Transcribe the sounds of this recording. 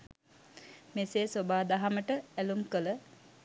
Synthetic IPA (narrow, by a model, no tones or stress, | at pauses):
meseːsobaːd̪aɦaməʈəælumkələ